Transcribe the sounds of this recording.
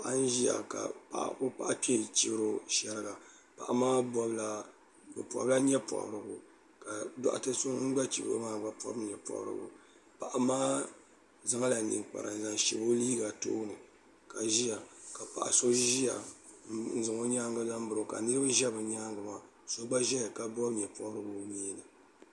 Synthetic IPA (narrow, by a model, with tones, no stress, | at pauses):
pa˨ʔa˦n̩˦ʒi˦ja̰˨ka̰˨pa̰˨ʔa̰˨kʊ˦pa˦ʔa˦pi˦ɛ˦t͡ʃi˨bɨ˦ɾo˦ʃɛ˦ɾɨ˦ɡa˨ | pa˨ʔa˨maː˦bɔ˦bla˨ | bɨ̰˨pu˨a̰˨bla˦ɲɛ˦pɔ̰˨ʔʊ̰˨ɾɨ˨bʊ˨ | ka˨dɔ̰˦ʔa̰˨tɨ˦sʊ˦ŋ̩˦ɡ͡ba˦t͡ʃi˨bɨ˨ɾo̰˦maː˦ba˨pɔ̰˦bɲɛ˨pɔ̰˨ʔɾɨ̰˨ɡʊ̰˨ | pa˨ʔa˨maː˦ | za˦ŋa˦la˨nḭ˨ŋk͡pa̰˨ɾa̰˨n˨za˨ŋʃḭ˨bo˦liː˦ɡa˨to̰ː˦nɨ˨ | ka˨ʒi˦ja˨ka˨pa̰˨ʔa̰˨so˦ʒi˦ja˨ | n̩˦zɨ˨ŋo˦ɲaː˦ŋɡɨ˦la˦m˦bɨ˨ɾo˨ka̰˨nɨ˦ɾɨ˦bɨ˦ʒɛ˦bɨ˨ɲaː˦ŋɡɨ˨ma˦ | so˦ɡ͡ba˦ʒɛ˦jka˦bɔ˦bɲɛ˨pɔ˨ʔʊ˦ɾɨ˦bʊ˨miː˦nɨ˨